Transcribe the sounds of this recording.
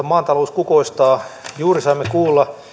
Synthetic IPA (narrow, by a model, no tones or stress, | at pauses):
ɑmɑːnt̪ɑlouskukoist̪ɑːjuːrisɑimːekuːlːɑ